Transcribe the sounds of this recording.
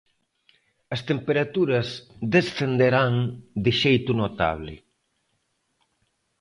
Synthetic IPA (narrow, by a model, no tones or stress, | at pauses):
ɐst̪empeɾat̪uɾɐsðesθend̪eɾaŋd̪ɪʃejt̪unot̪a̰β̞lɪ̰